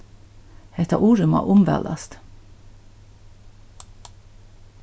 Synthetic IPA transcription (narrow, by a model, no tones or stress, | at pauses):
het̪ʰɑ̰ʔuːɹʉmɑ̰ʔʊmʋæ̰lɑst̪